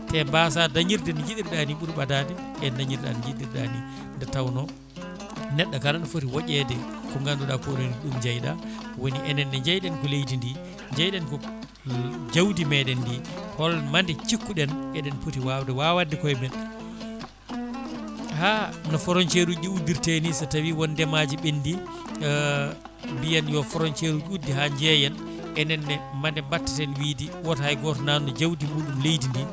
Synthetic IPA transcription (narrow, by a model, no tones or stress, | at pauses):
tɛmbas̬adaɲiɾdɛnɔd͡ʒiɗiɾɗaniɓuɾɓadadɛ | ɛdaɲiɾda̰nɔd͡ʒiɗiɾɗa̰ni | ndɛtawnɔ | nɛɗːakaɗanɔfotiwaʔɛdɛkɔŋɡanduɗakoɾoniɗumɲd͡ʒajɗawoniʔɛnɛnːɛɲd͡ʒajɗɛnkɔlejtindi | ɲd͡ʒajɗɛnkɔ | d͡ʒawdimɛɗɛnːdihɔlmandɛt͡ʃikːuɗɛnɛɗɛnputiwawdɛwawadikɔjbɛn | hanɔfɔɾɔnt͡ʃeɾud͡ʒiudːiɾtenisatawiwɔndɛmad͡ʒiɓinːdi | mbijanjɔfɔɾɔɲt͡ʃeɾud͡ʒiudːiɦaɲd͡ʒɛjɛn | ɛnɛnːɛmandɛmbatːḁtɛnwiːdiwɔthajɡɔtnanɔd͡ʒawdimuːɗumlejtindi